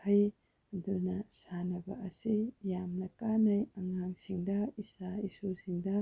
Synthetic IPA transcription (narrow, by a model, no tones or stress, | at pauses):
ɐj | dunɐsanɐbɐ̰ʔɐsijamnɐkanɐjɐŋaŋsiŋdɐisaisusiŋdɐ